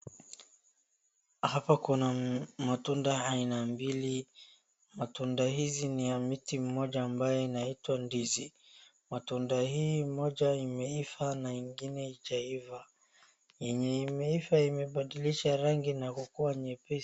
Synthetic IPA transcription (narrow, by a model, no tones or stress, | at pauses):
hapakunamatundaainambili | matundahizinijamitim̩mɔʄaːmbajɔinaitwandizi | matundahiːmɔʄaimɛifanaiŋɡinɛit͡ʃaiva | jɛɲɛimɛifaimɛɓaɗiliʃaɾaŋɡinakukuwaɲɛpɛ